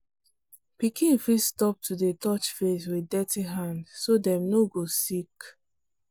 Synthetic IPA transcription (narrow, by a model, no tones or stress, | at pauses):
pikĩnfistɔp̚tʰudetʰɔt͡ʃfeswidɛtʰiɦãndsodɛ̃mnoɡosik